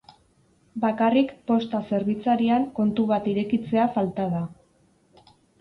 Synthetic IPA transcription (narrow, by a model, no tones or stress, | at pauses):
bakarikpo̞st̪ase̞ɾβit͡saɾiaŋko̞nt̪uβ̞at̪iɾe̞kit͡se̞afalt̪aða